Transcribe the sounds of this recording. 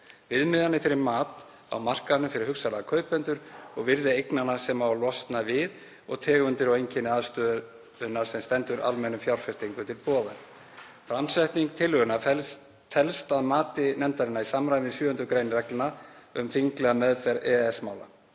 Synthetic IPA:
vɪðmɪðanːɪfɪɾɪɾmaːt̪ | a̰wmar̥kaðnʏmfɪɾɪɾ̥hʏksalɛɣakʰœːɥpɛnt̪ʏɾ̥ɔɣvɪɾðɪejknanːasɛmavalɔst̪navɪð | ɔɣt̪ʰɛːɣʏnt̪ɪɾɔwejɲcʰɪnɪaðst̪œːð | ʏnːaɾ̥sɛmst̪ɛnt̪ʏɾʔa̰lmɛnʏmfjawɾ̥fɛst̪iŋkʏt̪ʰɪlpɔːðaɾ | fɾamsɛht̪niŋk̚t̪ʰɪlʏɣʏna | fɛlst̪aðmaːt̪ɪnɛmt̪aɾɪnːaisamɾajvɪnsjʏːhʏnt̪ʏkɾejnɾrɛklɪnaʏmθiŋklɛɣamɛðfɛɾɛɛsmaːwla

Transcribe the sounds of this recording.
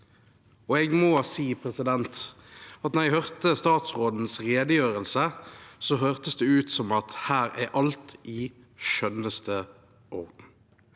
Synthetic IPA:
ɔɛɡmɔːsiːpʰʁɛsɪd̪ɛnt̪ | ɑt̪nɛʁɛɡhøʁt̪əst̪ɑːt̪sʁoːd̪n̩sʁeːd̪əjøːʁəlsəsɔɦøːʁt̪əsd̪ɛʉːt̪sɔmɑt̪hæːɾæɾʔɑlt̪ʔɪ | ʃœnəst̪ʰə | ʔɔʁd̪n̩

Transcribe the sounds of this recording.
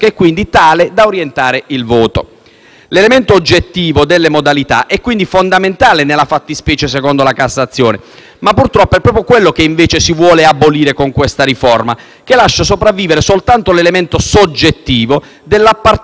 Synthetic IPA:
keɛkːwind̪it̪aːled̪aoɾjent̪aːɾeilvɔːt̪o̰ | lelemeɛnt̪oːd͡ʒːet̪ːiːvod̪elːemod̪alit̪a̰ʔɛkːwind̪ifond̪ament̪aːlenelafat̪ːispɛːt͡ʃes̬ɛkɔnd̪olakasːat̪sːjɔːne | mapːurt̪ɾɔpːoɛpːɾɔːpɾjokwelːokeiɱveːt͡ʃesivwɔːleabːoliːɾekoŋkwest̪aɾifɔrma | kelaʃːasopɾavːiːveɾesolt̪ant̪olelement̪osod͡ʒːet̪ːiːvo | d̪elːapːar

